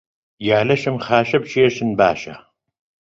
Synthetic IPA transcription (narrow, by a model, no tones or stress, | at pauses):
jaːlɐʃɨmχaːʃɐb̚t͡ʃʰeːʃɨnba̰ːʃa̰